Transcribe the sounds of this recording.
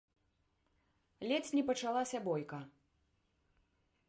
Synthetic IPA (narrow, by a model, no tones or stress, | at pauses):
lʲɛt͡sʲnʲɛpɐt͡ʂalˠasʲɐbɔjkɐ